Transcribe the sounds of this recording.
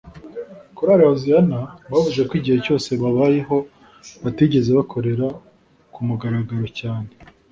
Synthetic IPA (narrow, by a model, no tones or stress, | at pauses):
kuɾaɾahozianaβavuze̞kwiːɟihe̞co̞ːse̞βaβaːjeɦo̞ | βatiɟe̞ze̞βakʰo̞ɾe̞ɾa | kumuɡaɾaɡaɾo̞caːne̞